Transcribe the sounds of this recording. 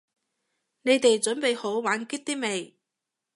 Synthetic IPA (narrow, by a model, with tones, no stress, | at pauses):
ne˨˧jt̪e˨jt͡ʃɵ˨˥npe˨jho˨˥wwaː˨˧˥nki˥t̚t̪iː˥me˨˩j